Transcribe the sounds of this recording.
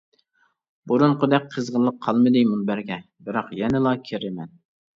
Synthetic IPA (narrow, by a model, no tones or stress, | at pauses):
buɾunqʊd̪ɛk̚ʲqʰːəzʁəlˠːəqʰːɑlˠmɨd̪ɨmunbæɾɡʲɛ | bɪɾɑqjɛnɪlˠɑkʲʰeɾɪmɛn